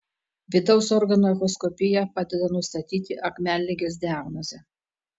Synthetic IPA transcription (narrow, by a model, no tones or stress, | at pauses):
ʋʲɪd̪ɒʊsɔɾɡɐnoɛxɔskɔpʲɪjɛpɑːd̪ʲɛd̪ɐnʊst̪ɐt̪ʲiːt̪ʲɪʔɐkmʲæːlʲːɪɡʲes̬ʲd̪ʲɪæɡnɔzʲɛ